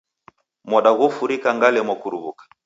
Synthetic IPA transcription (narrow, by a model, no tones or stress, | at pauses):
mɔɗaɣɔfuɾikaŋɡalɛmwɔkuɾuβukḁ